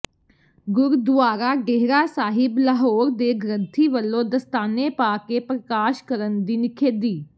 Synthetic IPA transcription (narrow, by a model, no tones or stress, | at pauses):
ɡʊɾd̪ʋaːɾaːɡɛɦɾaːsaːɦɪbləɦoːɾd̪eːɡɾənt̪ʰiːʋəlːõːd̪əst̪aːneːpaːkeːpɾəkaːʃkəɾənd̪iːnɪkʰeːd̪iː